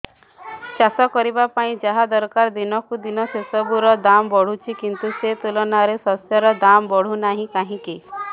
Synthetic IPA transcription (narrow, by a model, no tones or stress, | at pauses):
t͡ʃasɔkɔɾibapaĩd͡ʒaɦad̪ɔɾkaɾd̪inɔkud̪inɔsesɔbuɾɔd̪ambɔɽ̤ut͡ʃʰikint̪uset̪ulɔnaɾesɔsjɔɾɔd̪ambɔɽ̤unaɦĩkaɦĩki